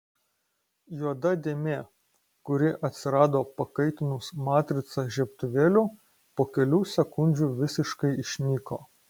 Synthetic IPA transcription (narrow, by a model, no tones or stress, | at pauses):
juɔd̪ɐd̪ʲeːmʲeː | kʊɾʲɪʔɐt̪ʲsʲɪɾɑːd̪oːpɐkɐɪt̪ʲɪnʊsmɑːt̪ʲɾʲɪt̪sɑʒʲɛpt̪ʊʋʲeːlʲʊ | poːkʲɛlʲuːsʲɛkʊnʲd͡ʒʲuːʋʲɪsʲɪʃkɐɪɪʃʲnʲiːkoː